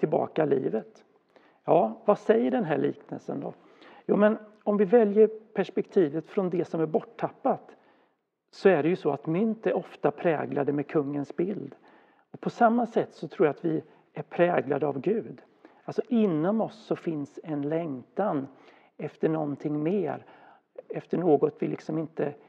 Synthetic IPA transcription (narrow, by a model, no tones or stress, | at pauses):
t̪ʰɪlbɑ̰ːkalḭːvət̪ | jɑːvasɛjːəɖɛnɦæɭḭːknə̰lsə̰nd̪ɔ̰ | juːmɛnɔmvɪvɛljəɾpʰæʂpɛkt̪ʰiːvət̪fɾɔnd̪ɛsɔmæɾbɔʈʰːapːat̪ | sɔæɖɛjɵsɔa̰t̪mʏnt̪ɛɔft̪apʰɾɛːɡla̰d̪əmɛkʰɵŋːənsbɪld̪ | ɔpʰɔsamːasɛt̪ːsɔt̪ʰɾuːɾjat̪vɪ | æɾpʰɾɛːɡla̰d̪əa̰vɡʉ̟ːd̪ | alsɔʔɪnːɔmɔsːɔfɪnsɛnlɛŋt̪an | ɛft̪əɳɔnt̪ʰɪŋːmeːɾ | ɛft̪əɳoːɡɔt̪vɪlʔɪ̰ksɔmɪnt̪ə